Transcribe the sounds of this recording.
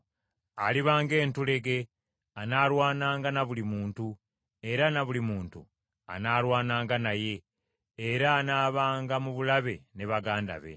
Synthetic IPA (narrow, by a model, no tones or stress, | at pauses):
aliβaːŋɡe̞ːntule̞ɡe̞ | anaːɾwaːnaːŋɡanaβulimuːntu | e̞ɾanaβulimuːntṵ | a̰naːɾwaːnaːŋɡanaje̞ː | ɾaːnaːβaːŋɡamuβulaβe̞ne̞βaɡaːnda̰βe̞̰